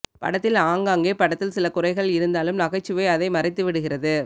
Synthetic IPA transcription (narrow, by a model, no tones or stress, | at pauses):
pɐ̰ɽɐt̪ːɪlaːŋɡaːŋɡeːpɐɽɐt̪ːɪlsɪlɐkʊrɐɪɣɐɭɪɾɯnd̪aːlɯmnɐɣɐɪt͡ʃːɯʋɐɪɐðɐɪmɐrɪt̪ːɯʋɪɽɯɣɪrɐðɯ